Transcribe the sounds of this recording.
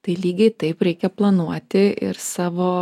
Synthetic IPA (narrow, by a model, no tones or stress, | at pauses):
t̪ɐɪlʲiːɡʲɛɪt̪ɐɪpɾʲɛɪkʲɛplˠɐnuɔt̪ʲɪɪ̰ɾsɑːʋoː